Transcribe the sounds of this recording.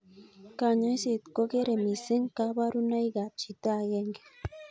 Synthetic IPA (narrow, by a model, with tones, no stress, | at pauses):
ka˨ɲo˦jse˨t̪ko˦ke˦ɾe˨mi˨se˦ŋka˦βa˦ɾu˦na˦jɡa˨t͡ʃi˨t̪a˦˨je˦ŋɡe̥˨